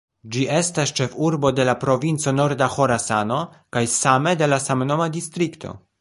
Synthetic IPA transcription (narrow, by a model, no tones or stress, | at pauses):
d͡ʒie̞stast͡ʃe̞fuɾbo̞de̞lapɾo̞vint͡so̞no̞ɾdaxo̞ɾasano̞ | kajsame̞de̞lasamno̞mad̪ist̪ɾikt̪ʰo̞̰